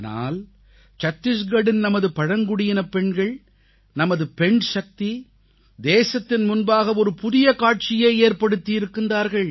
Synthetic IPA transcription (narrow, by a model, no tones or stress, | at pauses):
na̰ːl | t͡ʃɐt̪ːɪs̬ɡɐɽɪnnɐmɐðɯpɐɻɐŋɡʊɽɪjɪnɐpɛɳɡɐɭ | nɐmɐðɯpɛɳʂɐk̚t̪i | d̪eːsɐt̪ːɪnmʊnbaːɣɐɔɾɯpʊðɪjɐkaːʈ̚t͡ʃɪjɐːeːɾpɐɽɯt̪ːɪjɪɾɯkːɯnd̪aːɾɣɐɭ